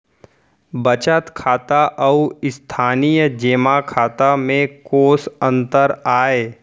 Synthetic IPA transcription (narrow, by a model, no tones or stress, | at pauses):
bət͡ʃət̪kʰaːt̪aʔəuɪst̪ʰaːnijəd͡ʒeːmakʰaːt̪amẽkoːsə̃nt̪əɾaːeː